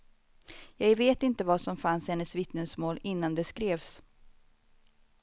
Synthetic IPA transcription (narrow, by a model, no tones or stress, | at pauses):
jɑːɡveːt̪ɪnt̪əvasɔmfanshɛnːəsvɪt̪nəsmoːlɪnːand̪ɛskɾeːvs